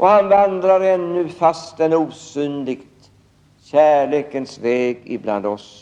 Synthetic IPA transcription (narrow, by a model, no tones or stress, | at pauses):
ʔɔhanvand̪ɾaɾɛnːɵfast̪ɛnuːsyːnlɪɡt̪ | ɕæːɭeːkənsvɛːɡɪ̰bla̰nd̪ɔs